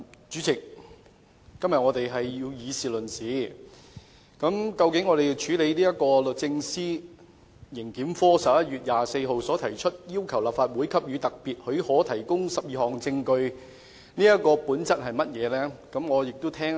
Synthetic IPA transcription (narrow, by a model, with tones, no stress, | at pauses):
t͡ʃyː˨˥t͡sʰɪ˨˩k̚ | ɐ˥mjɐ˨t̚ŋɔː˨˧t̪e˨jɦɐ˨ji˧wjiː˨˧siː˨lɵ˨˩nsiː˨˥ | kɐ˨˧˥mkɐ˧wkɪ˨˥ŋːɔː˨˧ɾe˨jwt͡ʃʰyː˨˥le˨˧jniː˥jɐ˥t̚kɔː˧lɵ˨t̚t͡sɪ˧ŋsiː˥ | jɪ˨˩ŋkiː˨˥mfɔː˥sɐ˨p̚jɐ˥t̚yː˨t̚jaː˨se˧jɦo˨wsɔː˨˥t̪ʰɐ˨˩jt͡ʃʰɵ˥t̚jiː˥wkʰɐ˨˩wlaː˨˩pfaː˧t̚wuː˨˥jkʰɐ˥p̚jyː˨˧t̪ɐ˨k̚piː˨˩t̚hɵ˨˧ɥhɔː˨˥t̪ʰɐ˨˩jkʊ˥ŋsɐ˨p̚jiː˨˩hɔː˨ŋt͡sɪ˧ŋkɵ˧ɥ | niː˥jɐ˥t̚kɔː˧puː˨˥nt͡sɐ˥t̚hɐ˨jmɐ˥t̚jɛː˨˧lɛː˥kɐ˨˥mŋɔː˨˧jɪ˨k̚t̪o˥wt̪ʰɛː˥ŋ